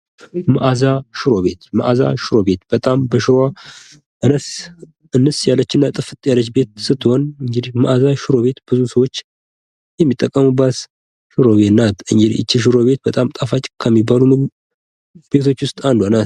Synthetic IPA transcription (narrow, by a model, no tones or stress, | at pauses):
mɨʔazaʃɪɾo̞βe̞t̪mə̰ʔaza̰ʃɪɾobe̞t̪b̥ət̪ʼambəʃɨɾa | ʔɨnəs | ɨnːɨsjalːət͡ʃːɨnːat̪ʼɨfɨt̪ʼjalət͡ʃːbe̞t̪sɨt̪ːɨho̞nɨŋɡɨd̪ihmɨʔazaʃɪɾo̞βe̞t̪bɨzusəwo̞t͡ʃː | jɛmːit̪ʼːəkʼːəmubːət̪ | ʃɨɾo̞βenat̪ɨŋɡɨd̪ḭʔɨ̰t͡ʃːiʃ̬ɪɾo̞βe̞t̪̚bət̪ʼamt̪ʼafat͡ʃʼkʰəmːibːalumɨɡ | b̥e̞t̪ʰo̞t͡ʃːwʊst̪ʼand̪anat̪